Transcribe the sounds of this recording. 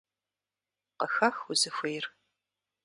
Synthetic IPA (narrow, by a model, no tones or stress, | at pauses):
qəxɐxʊzɨxʷejr